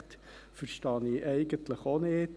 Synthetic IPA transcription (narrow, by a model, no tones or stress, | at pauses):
t̪ | fəɾʃtɑːniʔɛɪɡənt̪ləχoneːt